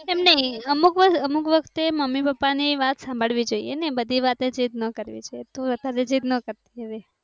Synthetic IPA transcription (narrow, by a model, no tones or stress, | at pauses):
ɛmnəɦĩəmukʋəəmukʋəkʰt̪eməmːipəpːaniʋat̪sãmbʱəɭʋid͡ʒoḭjenebəd̪ʱiʋat̪ed͡ʒit̪nəkəɾʋḭd͡ʒʰojet̪oʋəd̪ʱaɾed͡ʒit̪nəkəɾt̪iɦəʋe